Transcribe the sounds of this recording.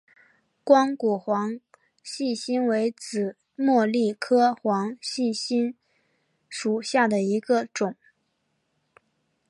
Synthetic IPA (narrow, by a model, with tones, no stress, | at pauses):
kwɑ˥ŋku˨˩xwɑ˧˥ŋ | ɕi˥˩ɕi˥nwe˧˥ɪt͡sɹ̩˨˩ | mwɔ˥˧li˥˩kʰɤ˥xwɑ˧˥ŋɕi˥˩ɕi˥n | ʂu˨˩ɕja˥˩d̪ə˩i˧˥ɡə˧ʈ͡ʂʊ˨˩˦ŋ